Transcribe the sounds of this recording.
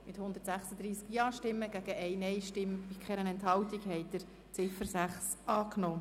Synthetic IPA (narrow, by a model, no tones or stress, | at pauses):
mɪt̪hʊnd̪əɾtsæχsəd̪ɾiːskjɑːʃtɪmːəɡ̥æɡ̥əʔɛɪnɛjʃtɪmpikχɛɾənɛnthɑwt̪iɡhɛɪd̪̥əɾ | t͡sɪfəɾsæχs | ʔɑːknoː